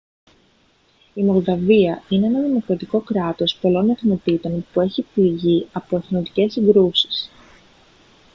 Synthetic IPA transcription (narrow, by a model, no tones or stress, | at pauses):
imo̞ldɐviɐinee̞nɐðimo̞kɾɐt̪iko̞kɾɐt̪o̞spo̞lo̞neθno̞t̪it̪o̞npue̞çipliʝiɐpo̞eθnot̪i̥ce̞sːiŋɡɾusi̥s